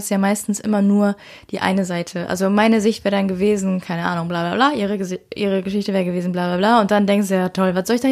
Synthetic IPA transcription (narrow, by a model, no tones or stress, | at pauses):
sjaːmaɪstn̩sʔɪ̰mɐnuːɐ | d̥iːʔa̰ɪnəzaɪtʰəʔa̰lzomaɪnəzɪçtv̥ɛːʁədanɡəveːzn̩kʰaɪnəʔa̰ːnʊŋblaːblaːblaːʔiːʁəʔḭːʁ̞əɡəʃɪçtəvɛːʁəɡəveːzn̩blaːblaːblaːʊnt̚d̥andɛŋkstd̥ujaːtʰɔlvasz̥ɔlɪçd̥an